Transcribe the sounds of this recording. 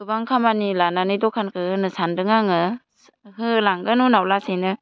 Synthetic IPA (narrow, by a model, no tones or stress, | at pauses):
ɯbaŋkʰamanilananɯjdɔkʰankʰɯhɯnɯsandɯŋaŋɯ | ɦɯlaŋɡɯnunawlasejnɯ